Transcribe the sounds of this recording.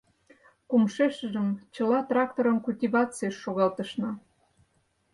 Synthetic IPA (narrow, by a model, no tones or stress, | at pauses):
kumʃeʃə̆ʒəmt͡ɕə̆lɑt̪rɑkt̪oɾənkulʲtʲivɑt͡seʃːoɣɑlt̪əʃnɑ